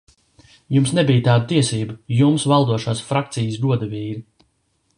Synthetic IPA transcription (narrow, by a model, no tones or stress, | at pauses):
jumsnɛbijt̪aːd̪ət̪iɛsiːbajumsvalˠd̪uɔʃaːsfɾakt̪sijəsd̪uɔd̪aviːɾi